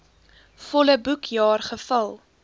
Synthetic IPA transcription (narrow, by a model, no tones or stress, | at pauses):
fɔləbukʰjɑːrχəfəlˠ